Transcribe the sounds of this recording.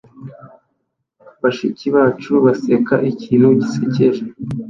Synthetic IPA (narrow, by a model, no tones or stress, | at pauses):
βaʃiciβaːt͡ʃuβase̞ka̰ʔiciːnuɟiseceʒe